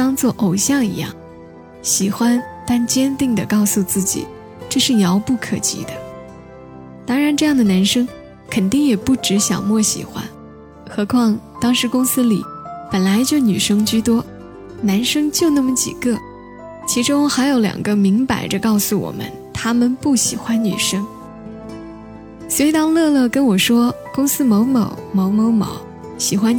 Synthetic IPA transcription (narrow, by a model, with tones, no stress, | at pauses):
t̪ɑ˥ŋt͡swɔ˥˩ʔo˨˩ʊɕjɑ˥˩ŋḭ˧˥jɑ̰˥˩ŋ | ɕi˨˩xwa˥nt̪a˥˩nt͡ɕjɛ˥nt̪i˥˩ŋd̪ə˩kɑ˥˧ʊsu˧t͡sɹ̩˥˩t͡ɕḭ˨˩˦ | ʈ͡ʂɤ˥˧ʂɻ̩˥˩jɑ˧˥ʊpu˥˩kʰɤ̰˨˩t͡ɕḭ˧˥d̪ə˧˦ | t̪ɑ˥ŋɻa˧˥nʈ͡ʂɤ˥˧jɑ˥˩ŋd̪ə˩na˧˥nʂɤ˥ŋ | kʰə˨˩nt̪i˥˩ŋjɛ˨˩pu˥˩ʈ͡ʂɻ̩˧˥ɕjɑ̰˨˩ŋmwɔ˥˩ɕḭ˨˩xwa̰˥n | xɤ˧˥kʰwɑ˥˧ŋt̪ɑ˥ŋʂɻ̩˧˥kʊ˥ŋsɹ̩˥li˨˩pə˨˩nla˧˥ɪt͡ɕjo˥˩ʊny˨˩ʂɤ˥ŋt͡ɕy˥˩t̪wɔ˥ | na˧˥nʂɤ˥ŋt͡ɕjo˥˧ʊna˥˩mə˨˩t͡ɕḭ˨˩ɡɤ˥˩ | t͡ɕʰi˧˥ʈ͡ʂʊ˥ŋxa˧˥ɪjo˧˥ʊljɑ̰˨˩ŋɡə˦mi˧˥ŋpa̰˧˥ɪʈ͡ʂə˧kɑ˥˩ʊsu˨˩wɔ̰˨˩mə̰˦n | t̪ʰa˥mə˨npu˥˩ɕḭ˨˩xwa˥nny̰˨˩ʂɤ˥ŋ | swɛ˧˥ɪi˥t̪ɑ˥ŋlɤ˥˧lɤ˥˩kə˥nwɔ˨˩ʂwɔ˥ | kʊ˥ŋsɹ̩˥mo˧˥ʊmɑ̰˧˥ʊmo˧˥ʊmo˧˥ʊmɑ̰˧˥ʊ | ɕi˨˩xwa˥n